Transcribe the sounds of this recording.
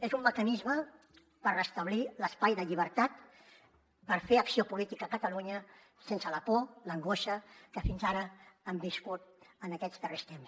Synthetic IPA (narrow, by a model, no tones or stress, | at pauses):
ezumːəkənizmə | pərrəst̪əβ̞liləspajðəʎiβ̞əɾt̪at̪ | pəɾfeəksiopulit̪ikəːkət̪əluɲə | sensələpoləŋɡoʃəkəfinzaɾəəmbiskut̪̚ənəkɛzðərest̪ems